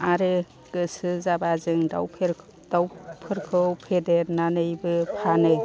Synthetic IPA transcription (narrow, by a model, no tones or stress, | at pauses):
aɾe | kɯsɯzabazɯŋda̰wpʰeɾ | dawpʰɯɾkʰɯwpʰedeɾnanɯjbɯpʰanɯj